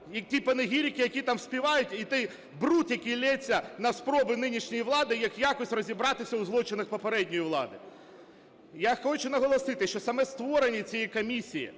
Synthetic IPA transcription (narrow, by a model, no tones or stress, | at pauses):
jɐktʲipɐnɪɦʲiɾʲikɪjɐkʲit̪ɑmsʲpʲiʋɑjʊtʲit̪ɛj | brut̪jɐkʲilʲɛt͡sʲːɐnɐspɾɔbɪnɪnʲiʃnʲɔjiʋlˠɑd̪ɪjɐkjakɔsʲrɔzʲibɾɑt̪ɪsʲɐʊzlˠɔt͡ʃɪnɐxpɔpeɾɛdʲnʲɔjiʋlˠɑ̰d̪ɪ | jaxɔt͡ʃʊnɐɦɔlˠɔsɪt̪ɪʃt͡ʃɔsɐmɛst̪ʋɔɾenʲːit͡sʲijikɔmʲisʲijḭ